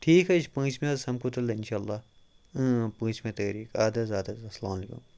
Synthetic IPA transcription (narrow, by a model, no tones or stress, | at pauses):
ʈʰiːkɦɛt͡ʃʰpɐ̃ːt͡ʃmẽɐsɐmkut̪ɐlːeɪnʃaːlːaː | pə̃ːt͡ʃmẽt̪ɐɾiːkaːd̪ɐzaːd̪ɐzɐsɐlaːmɐleːkṵm